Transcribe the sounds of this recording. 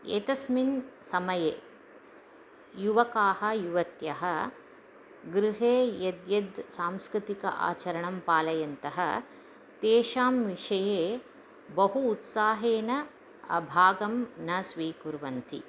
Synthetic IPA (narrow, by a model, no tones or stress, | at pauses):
ḛːt̪ɐsminsɐmɐjeː | juʋɐkaːhɐjuʋɐt̪jɐɦɐ | ɡɾɪɦeːjɐd̪jɐd̪saːmskɾɪt̪ikɐ̰ʔa̰ːt͡ʃɐɾɐɳɐmpaːlɐjɐnt̪ɐɦɐ̰ | t̪eːʃaːmʋiʂɐjeː | bɐɦuːt̪saːɦeːnɐ | ɐ̰bʱaːɡɐmnɐsʋiːkuɾʋɐnt̪ḭ